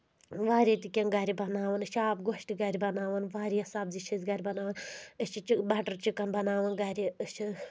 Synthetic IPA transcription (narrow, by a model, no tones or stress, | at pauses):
ʋaːɾit̪ikʲenɡɐɾʲibɐnaːʋɐnɨʃaːpɡoʃʈiɡɐɾʲibɐnaːʋɐnʋaːɾiɐsaːbziʃʰizɡɐɾʲibɐnaːʋɐnɨt͡ʃit͡ʃibɐʈɐɾt͡ʃikːɐnbɐnaːʋɐnɡɐɾʲiʃʰi